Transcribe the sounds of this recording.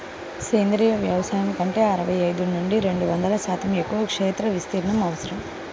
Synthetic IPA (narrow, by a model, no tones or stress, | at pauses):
seːnd̪ɾiːjɐʋjɐʋɐsaːjɐmikɐɳʈe̞ːɐɾɐʋɐjɐjd̪unuɳɖiɾe̞ɳɖuʋɐnd̪ɐlɐsaːt̪ɐme̞kːuʋɐkʂeːt̪ɾɐʋist̪iːɾɐɳɐmɐʋɐsɐɾɐm